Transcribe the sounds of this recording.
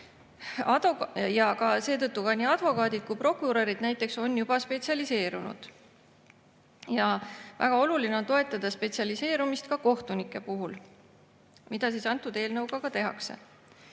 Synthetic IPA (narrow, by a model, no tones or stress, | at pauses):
ojɑkɑse̞ːt̪ɤt̪ˑːukɑnʲiːɑd̪̥vo̞kɑːd̪id̪̥̚kupro̞kˑuɾɑɾid̪̥næjt̪ːˑe̞kso̞njub̥ɑspe̞t̪siɑlise̞ːɾunṵd̪̥ | jɑvæ̰ɡ̥ɑo̞luline̞o̞nt̪o̞e̞t̪ːˑɑd̪̥ɑspe̞t̪siɑlise̞ːɾumist̪kɑko̞ht̪unikːˑe̞puɦul | mid̪̥ɑsisɑnt̪ːˑud̪̥e̞ːlnɤwɡɑkɑt̪e̞ɦɑ̰kse̞̰